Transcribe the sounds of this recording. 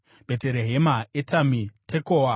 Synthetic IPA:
b̥ʱeteɾeɦemaetamitʰekoːwa

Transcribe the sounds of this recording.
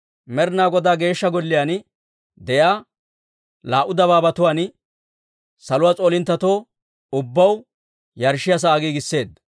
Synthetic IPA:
mɛɾnaːɡɔd̪aːɡe̞ːʃːɐɡɔlːɪjaːn | d̪ɛjaː | laːʔʊd̪ɐβaːbɐt̪ʊwaːn | sɐlʊwaːt͡sʼo̞ːlɪnt̪ːɐt̪o̞ː | ʊbːɐw | jɐɾʃːɪjɐs̬aːɡiɡɪsːe̞ːd̪

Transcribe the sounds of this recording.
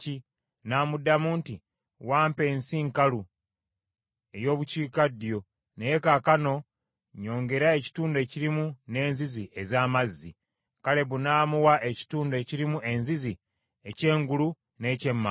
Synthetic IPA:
i | naːmudamuːnti | waːmpe̞ːnsiŋkalu | e̞jo̞ːβuciːkadjo̞ | neje̞kakano̞ | ɲo̞ːŋɡe̞ɾae̞ci̥tuːnde̞ːciɾimune̞ːnziziʔezaːmazːi | kale̞βunaːmuwaʔe̞ci̥tuːndue̞ːciɾimuʔe̞nzizi | e̞ce̞ːŋɡulu | ne̞ːce̞mːa

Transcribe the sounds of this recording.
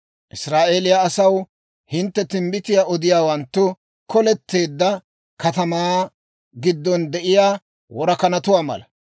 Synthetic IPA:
ʔɪsɾaːʔe̞ːlɪjaːsɐw | hɪnt̪ːɛt̪ɪmbɪt̪ɪjaːʔɔd̪ɪjaːwɐnt̪ːʊ | kɔlɛt̪ːe̞ːd̪ːɐ | kɐt̪ɐmaː | ɡɪd̪ːɔnd̪ɛʔɪjaː | wɔɾɐkɐnɐt̪ʊwaːmɐ̰lɐ

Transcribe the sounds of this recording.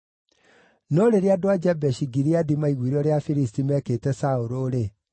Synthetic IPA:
nɔɾeɾeadoad͡ʒɛbɛɕiɡiɾiadimaiɣwiɾɔɾeafiɾistimɛketɛsaoɾoɾe

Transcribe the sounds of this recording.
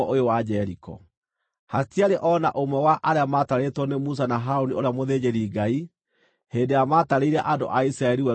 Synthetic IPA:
ɔʔojowad͡ʒɛɾikɔ̰ | hatiaɾeʔɔnaʔomwɛwaʔaɾeamataɾetwɔnemus̬anaɦaonioɾeamoðed͡ʑeɾiːɡai | heːndejamataɾeiɾɛʔado̰ʔaisɾaɛɾiwɛ

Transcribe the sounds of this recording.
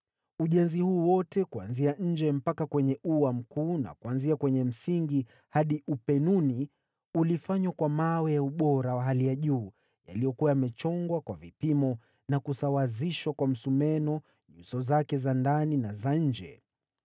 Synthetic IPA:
uʄɛnzihuːwɔtɛkua̰nziaɲ̩d͡ʒɛm̩pakakwɛɲɛʔuwam̩kuːna̰kuanziakwɛɲɛm̩siŋɡi | haɗiʔupɛnuni | ulifaɲwakwamawɛjauɓɔɾawaɦalijaʄuː | ja̰lijɔkuwaamɛt͡ʃɔŋɡwakwavipimɔ | nakusawaziʃwakwam̩sumɛnɔ | ɲusɔzakɛzandaninazaɲ̩d͡ʒɛ̰

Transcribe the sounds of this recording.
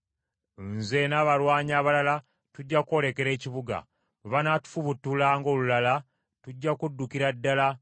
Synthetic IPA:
nzenaːβalwaːɲaːβalala | tuɟːakuo̞ːle̞ke̞ɾe̞ːciβuɡa̰ | muβanatu̥fuβutːulaːŋɡo̞ːlulala | tuɟːakudːukiɾadːala

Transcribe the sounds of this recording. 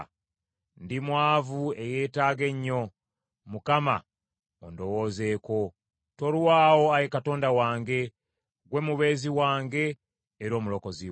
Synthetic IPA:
ndimwaːvue̞je̞ːtaːɡe̞ɲːo̞ | mukama̰ | ondo̞wo̞ːze̞ːko̞ | to̞lwaːwo̞ajekato̞ːndawaːŋɡe̞ | ɡwe̞muβe̞ːziwaːŋɡe̞ː | ɾo̞ːmulo̞ko̞zi

